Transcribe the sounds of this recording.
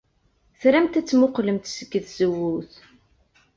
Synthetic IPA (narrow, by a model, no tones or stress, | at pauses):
θɾæmt̪æt͡sːmʊqləmt̪səɡːəθz̥əwːuθ